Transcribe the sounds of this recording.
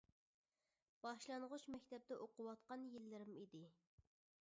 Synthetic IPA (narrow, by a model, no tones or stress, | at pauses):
b̥ɑʃlˠɑnʁʊʃmɛkʲt̪ʰɛp̚d̪ɛʔoqʊwɑt̪qɑnjilːɪɾɪmid̪ɪ